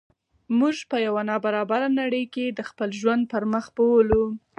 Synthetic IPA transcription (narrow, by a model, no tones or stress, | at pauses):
muʒpəjawanɑbaɾɑbaɾanaɽəjked̪əxpəlʒwand̪̚pəɾməxbowlu